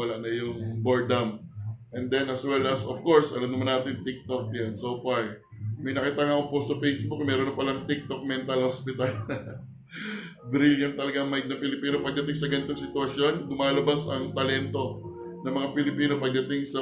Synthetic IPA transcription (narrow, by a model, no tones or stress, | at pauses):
ɐlaʔnɐjʊŋboɹd̪ɐmʔɛnd̪ɛnɐswɛlʔɐsofko̞ɹsʔɐlamnɐmanːaːt̪ɪnt̪ɪk̚t̪o̞k̚jɐnsowfaɹ | mɐjnɐkiːt̪aŋakoposɐpejsbokmɛːɾoɐpɐlɐŋt̪ɪk̚t̪ok̚mɛnt̪ɐlhospɪt̪ɐlɐ | bɾɪljɐnt̪ːɐlɐɡaɐŋmɐɪɡ̚nɐŋpɪlɪpiːnopɐɡ̚d̪ɐt̪ɪŋsɐɡɐnɪt̪oŋsɪt̪ʊɐʃjo̞nd̪ʊmaːlɐbasɐŋt̪ɐlɛnt̪o̞ | nɐmɐŋapɪlɪpiːno̞pɐɡ̚d̪ɐt̪ɪŋsɐ